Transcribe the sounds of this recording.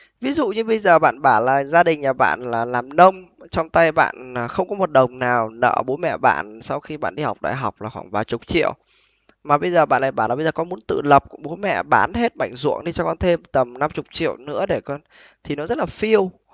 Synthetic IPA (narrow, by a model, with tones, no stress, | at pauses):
vi˨˦zṵ˧˨ɲɨ˧ɓə˧jzəː˨˩ɓa̰ː˧˨nɓaː˧˩laː˨˩zaː˧ɗï˨˩ŋ̟laː˨˩ɓa̰ː˧˨nlaː˨˩laː˨˩mnə˧wŋ͡mt͡ɕɔ˧wŋ͡mt̪a˧jɓa̰ː˧˨nː˨˩xə˧wŋ͡mkɔ˨˦mo˨˩t̚ɗə˨˩wŋ͡mnaː˨˩wnə̰ː˧˩ɓo˨˦jmɛ̰˧˨ɓa̰ː˧˨nsa˧wxi˧ɓa̰ː˧˨nɗi˧hwk͡p̚ɗa̰ː˧˨jɦa˨˩wk͡p̚laː˨˩xwaː˧˩nvaː˨˩t͡ɕʊ˨˩k͡p̚t͡ɕḭ˧˨əw | maː˨˩ɓə˧jzəː˨˩ɓa̰ː˧˨nlaː˧˨˩ɓaː˧˩laː˨˩ɓə˧zəː˨˩kɔ˨˦mu˨˦ənt̪ɨ̰˧˨lə˨˩p̚ku˧˩əɓo˨˦jmɛ̰˧˨ɓaː˨˦nhe˦˥t̚ɓa˧˩jŋ̟zṵ˧˨əŋɗi˧t͡ɕɔ˧kɔ˧nt̪ʰe˧mt̪ə˨˩mna˧mt͡ɕʊ˨˩k͡p̚t͡ɕḭ˧˨əwnɨ̰˧˥əɗe˧˩kɔ˧n | t̪ʰi˨˩nɔ˨˦zə˦˥t̚laː˨˩fi˧əw